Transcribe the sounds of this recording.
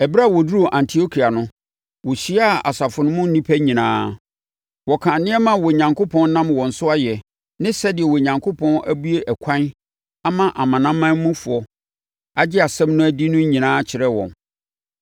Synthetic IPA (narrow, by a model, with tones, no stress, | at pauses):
ɛ˨ba˦˨wɔ˨du˦o˨ʔã˨ntʰi˨o˦kʰi˨a˨nʊ̃˦ | wɔ˨ɕi˦a˦˨a˨sa˨fʊ˨nʊ̃˦mʊ̃˦n̩˦nĩ˦pʰæ˦ɲĩ˨nã̰ː˦ | wɔ˨kʰã˨nɪ̃˦ɛ˦mã˨wɔ˨ɲã˨ŋko˦pʰɔ̃˦n˦nã˦mwɔ̃˨n̩˨sʊ˦a˦jɛ˨ | nɪ̃˦sɛ˦dɪ˨ɛ˨wɔ˨ɲã˨ŋkʰo˦pʰɔ̃˦nʔæ˦bu˦e˦ʔɛ˨kʷʰã˦n | a˦mã˦˨ʔa˨mã˨nã˦mːã˦n˦mũ˦fʊ˨ɔ˦ | a˨d͡ʑɪ˦a˨sɛ̃˦mnʊ̃˦æ˨di˦nʊ̃˦ɲĩ˨nãː˦t͡ɕʰɪ˨ɾɛ˦wɔ̰̃˨n